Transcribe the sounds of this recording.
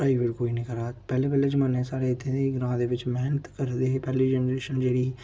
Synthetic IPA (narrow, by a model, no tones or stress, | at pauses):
aiːʋɪɾkoːiːnĩːkəɾaːpɛːleːpɛːleːd͡ʒməneːsaːɾeːɪt̪ʰẽeɡɾãːd̪eːʋɪt͡ʃmɛɦnət̪kəɾd̪eːɦeːpɛːleːd͡ʒɛːnɾeːʃənd͡ʒeːɽiː